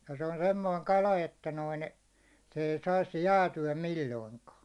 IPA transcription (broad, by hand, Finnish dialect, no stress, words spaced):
jɑ̥ se on semːoiŋ kɑlɑ etːæ noin se ei sɑis jæːtyæ milːoiŋkɑː